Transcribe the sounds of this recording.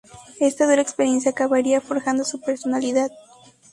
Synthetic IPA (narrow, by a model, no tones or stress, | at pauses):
e̞st̪aðuɾaekspeɾje̞ns̬jaːkaβaɾiafo̞ɾxand̪o̞supe̞ɾso̞naliðað